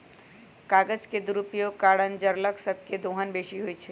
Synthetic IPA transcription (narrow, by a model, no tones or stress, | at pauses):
kaɡəd͡ʒked̪uɾupjokaːɽənd͡ʒəɾləksəb̚ʱked̪oɦənbeːʃiɦoit͡ʃʰɛ